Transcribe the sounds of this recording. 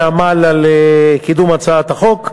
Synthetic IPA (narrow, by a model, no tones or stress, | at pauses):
amalalekid̪umat͡saat̪aχo̞k